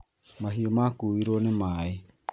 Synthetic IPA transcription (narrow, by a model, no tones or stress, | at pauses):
maɦiomakuiɾonemae